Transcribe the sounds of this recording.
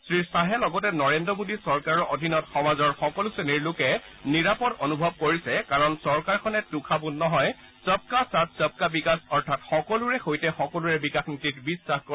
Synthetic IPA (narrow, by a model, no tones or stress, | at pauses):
sɹisaɦɛlɔɡɔtɛnɔɹendɹɔmodisɔɹkaɹɔʔodʱinɔtxɔmazɔɹxɔkɔluseniɹlʊkɛ | niɹapɔtonubʱɔb̚koɹisɛkaɹɔnsɔɹkaɹkʰɔnɛtʊkʰabʊnnɔɦɔj | sɔp̚kasat̚sɔp̚kabikasɔɹtʰatxɔkɔluɹɛxojtɛxɔkɔluɹɛbikasnititbisːaxkɔ